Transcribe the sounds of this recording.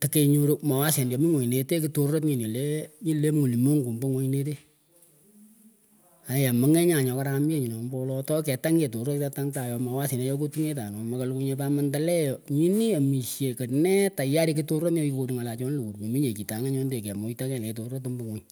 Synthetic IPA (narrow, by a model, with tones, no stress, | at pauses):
ta˨ke˧ɲo˦ɾo˦ma˨wa˦se˨ndjɔ˨mi˦ŋo˨ɲ˨ne˨te˦ki˦to˦ro˦t̚ɲi˨ni˨le˦ɲi˦le˦m˦u˨li˨mo˦ŋɡu˨mbo˦ŋo˦ɲ˦ne˦t̬e˦ | a˨ja˨mə˦ŋɛ˦ɲa˨ɲɔ˨ka˦ɾa˦mi˦e˦ɲi˨nɔ˨mbɔ˦lɔ˦tɔ˦kɛ˨ta˦ŋɡe˨to˨ro˦ta˧ta˦ŋta˨jɔ˨˧ma˨wa˦si˨na˨˦jɔ˦k̬o˦tu˦ŋe˦ta˨nɔ˨ma˨ka˨˦lku˧˦ɲe˧pa˦ma˦nta˦lɛ˦jɔ˨ɲi˦ni˦a˨mi˨ʃje˨kə˨nɛ˦ta˨ja˦ɾi˦ki˦to˦ro˦tno˦i˧ko˧ɾu˨ŋa˨la˨t͡ʃɔ˦n˦lo˨ku˨ɾko˨mi˦ɲe˨ki˨ta˨˦ŋa˦ɲɔ˦nde˨kɛ˨mo˨˦i˦ta˦kɛ˨ŋɛ˨to˨ro˦to˦mbo˦ŋo˦ɲ